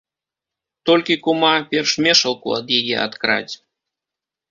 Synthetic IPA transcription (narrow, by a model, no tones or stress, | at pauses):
t̪olʲkʲikumɑpʲerʃmʲeʃəlˠko̰əd̪jejḛɑ̰t̪kɾɑ̰tʲ